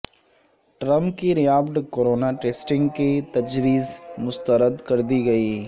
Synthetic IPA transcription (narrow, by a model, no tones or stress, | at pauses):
ʈɾɐ̃mpkiɾɐjaːbt̪koːɾoːnaʈeːsʈɪ̃ŋɡket̪ɐd͡ʒʋiːzmʊst̪əɾəd̪kɐɾd̪iɡɐiː